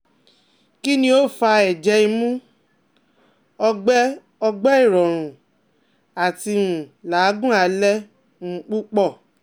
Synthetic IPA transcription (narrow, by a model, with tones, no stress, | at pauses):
ki˦nĩ˦o˦˨fa˧ɛ˨d͡ʒɛ˧˦i˧mũ˦ | ɔ˧ɡ͡bɛ˦ | ɔ˧ɡ͡bɛ˦i˦˨ɾɔ˨ɾ̃ũ˨ | a˨ti˧ũ˨laː˨˦ɡũ˦a˧lɛ˦ | m̩̃˦k͡pu˦k͡pɔ˦˨